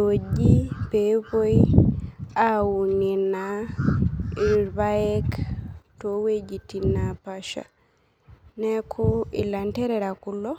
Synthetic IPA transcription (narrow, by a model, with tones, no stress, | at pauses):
o˨d͡ʒi˦pe˨bo˦i | a˦u˨ni˨na | i˨ɾba˦ɛ˦kto˦we˦d͡ʒi˨ti˨na˨paʃa̰˨ | nɛ˦kʰʊ˦ḭ˨la˨ntɛ˦ɾɛ˨ɾa˨ku˨lo˦